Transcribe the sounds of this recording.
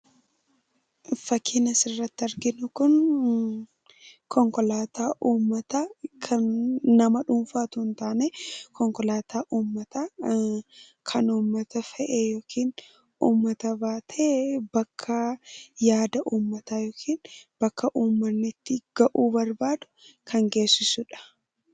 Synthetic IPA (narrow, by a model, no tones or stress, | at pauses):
fɐkʰiːnɐsɪrːɐt̪ːɪɐɾɡɪnʊkʊn | kʰɔŋkɔlaːt̪aːʔuːmːɐt̪ɐkʰɐnːɐmɐᶑʊmfaːt̪ʊnt̪aːnekʰɔŋkɔlaːt̪ʰaːʔuːmːɐt̪a | kʰɐnuːmːɐt̪ɐfɛʔejoːkʰiːn | uːmːɐt̪ɐbaːt̪ʰeːbɐkʰːɐjaːd̪ɐʔuːmːɐt̪aːjoːkʰiːnb̥ɐkːɐʔuːmːɐnːɪt̪ːɪɡ̥ɐʔuːbɐɾbaːd̪ʊ̥ | kʰɐŋɡe̞ːsːɪsʊᶑɐ̥